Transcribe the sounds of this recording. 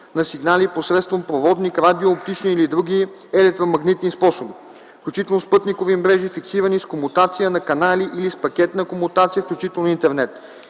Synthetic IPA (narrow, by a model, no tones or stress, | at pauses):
nɐsiɡnaliposɾɛt̪st̪vompɾovɔd̪nikɾad̪ioːpt̪it͡ʃniːlid̪ɾuɡʲi | ɛlɛk̚t̪ɾomɐɡnit̪nispɔsobi | fklʲut͡ʃit̪ɛlˠnospɤt̪nikovimɾɛʒifiksiɾəniskomʊt̪at̪sijənɐkɐnaliʔilispɐkʲɛt̪nɐkomʊt̪at̪siəfklʲut͡ʃit̪ɛlˠnoint̪ɛɾnɛt̪